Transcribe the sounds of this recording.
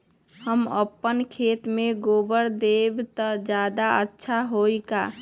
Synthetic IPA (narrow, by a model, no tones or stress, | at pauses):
həmə̰pːənkʰeːt̪mẽɡoːbəɾd̪ebt̪əd͡ʒaːd̪aətːʃʰaɦoika